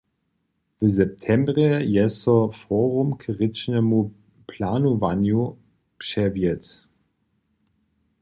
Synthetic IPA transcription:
vəzɛp̚tʰɛmbʁəjɛsɔfɔːʁumkʰʁɪt͡ʃnɛmu | pʰlaːnovanju | pʃɛvjɛt

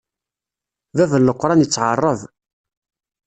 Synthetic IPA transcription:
vævəlːəqːɾˤɑnjət͡sːʕɑrˤːəv

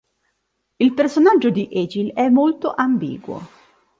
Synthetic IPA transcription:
ilpersonad͡ʒːod̪iʔed͡ʒilɛmːolt̪oʔambḭːɡwo̰

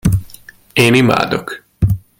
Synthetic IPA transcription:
eːnima̰ːd̪ok

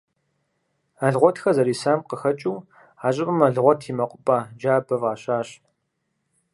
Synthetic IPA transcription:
ɐɮʁʷɔtʰxɐzɐɾiːsaːmqəxɐt͡ʃʼuː | aːɕʼɪpʼɨmɐɮʁʷɔtʰiːmɐqʷʼʊpʼad͡ʒaːbɐvaːɕaːɕ

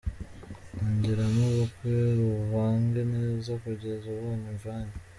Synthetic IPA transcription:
noɲɟiɾamuβukweɾuβaːŋɡeneːzokuɟezuβomuʒwaːɲe

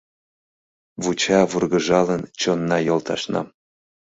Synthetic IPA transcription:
vut͡ɕɑvɯrɡɤ̆ʒɑlˠə̆nt͡ɕonːɑjŏlˠt̪ɑ̰ʃnɑ̰

